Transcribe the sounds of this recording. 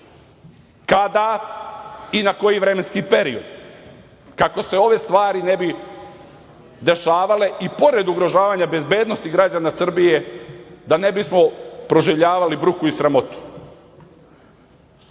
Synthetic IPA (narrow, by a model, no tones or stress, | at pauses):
kad̪a | inako̞jiʋɾe̞menskiːpe̞ɾiod̪ | kako̞se̞o̞ʋe̞st̪ʋaːɾinebi | d̪e̞ʃaːʋale̞ʔipo̞ɾe̞d̪uɡɾo̞ʒaːʋaːɲabe̞zbe̞ːd̪nost̪iɡɾad͡ʒanasr̩bije̞d̪ane̞bismo̞pɾo̞ʒiʋʎaːʋalibɾukuisɾamo̞t̪u̥